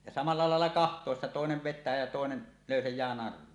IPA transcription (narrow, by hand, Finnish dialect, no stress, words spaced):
jɑ sɑmɑlːɑ lɑelːɑ kɑhtˑoˑesːɑ toˑeneʋ ʋetːæː jɑ toˑenen løysejˑæː nɑrˑuo